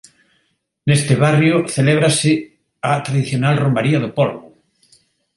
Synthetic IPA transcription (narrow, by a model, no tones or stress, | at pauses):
nest̪ɪβarjʊθeleβ̞ɾasɪ | at̪ɾaðiθjonalrombaɾiaðʊpolβʊ